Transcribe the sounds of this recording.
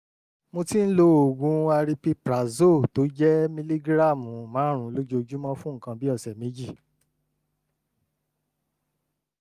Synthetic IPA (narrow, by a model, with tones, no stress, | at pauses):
mo˧ti˦n̩˦lo˦o˨ɡũ˨˧a˧ɾi˧pi˦pɾa˨zo˦˨to˨˦d͡ʒɛ˦mĩ˧li˦ɡɾa˦˨mũ˨mãː˨˦ɾ̃ũ˧˦lo˦d͡ʒo˧d͡ʒu˦mɔ̃˦fũ˦ŋ̩˦˨kã˧bi˦ɔ˦˨sɛ˨mẽ˨˦d͡ʒi˦˨